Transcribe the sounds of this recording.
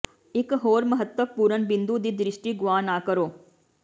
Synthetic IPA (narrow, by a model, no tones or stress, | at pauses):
ɪkɦoːɾməɦət̪wəpuːɾənbɪ̃nd̪ud̪iːd̪ɾɪʃʈiːɡʊaːnaːkəɾoː